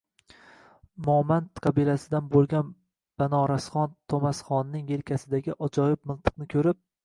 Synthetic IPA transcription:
mɒmant̪qʰɑbilasɪd̪anbolˠɡʲan | b̥anɒɾasχɒnt̪ʰomasχɒnːɪŋjelkʲʰasɪd̪aɡʲɪʔɒd͡ʒɒjɪp̚mɪlˠt̪ʰɨ̥q̚nɪkʲʰɵɾɪp̚

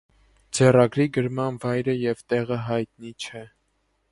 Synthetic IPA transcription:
d͡zɛrɑɡɾiɡəɾmɑnvɑjɾəjɛvt̪ɛʁəɦɑjt̪nit͡ʃʰɛ

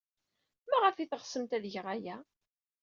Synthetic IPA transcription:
mæʁəfiθəχsəmt̪æðʝəʁæjæ

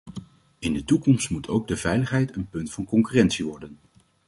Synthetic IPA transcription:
ɪndətukɔmstmutʰo̰wɡ̚dəvɛjləχɦɛjtənpɵntfɑnkɔŋkyːrɛntsiʋɔɹdən

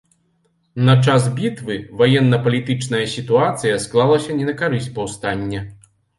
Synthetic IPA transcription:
nɐt͡ʂasbʲit̪vɨvajɛnːɐpɐlʲit̪ɨt͡ʂnɐjɐsʲit̪uat̪sɨjɐsklˠalˠɐsʲɐnʲɛnɐkaɾɨsʲtʲpɐwst̪anʲːɐ

